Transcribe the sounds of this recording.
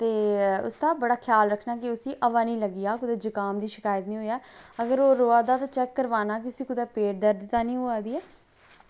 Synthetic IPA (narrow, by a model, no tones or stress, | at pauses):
t̪eːʊ̰st̪aːbəɽaːkʰjaːlɾəkʰnaːkɪʊsĩːʔəʋaːnĩːləɡijaːkʊd̪eːd͡ʒəkaːmd̪iːʃɪkaːjət̪nĩːɦoːjaːəɡəɾoːɾoːaːd̪aːt̪ãːt͡ʃɛːkːəɾʋaːnaːk̬ɪʊsĩːkʊd̪ɛːpeːʈ̚d̪əɾd̪ɪt̪ːaːnĩːɦoːaːd̪iːɛː